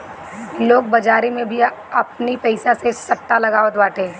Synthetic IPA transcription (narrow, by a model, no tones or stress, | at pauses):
loːɡ̚bɐd͡ʒaːɾimẽbʱiɐpnipɛɪsasesɐʈːalɐɡaːod̪baːʈẽː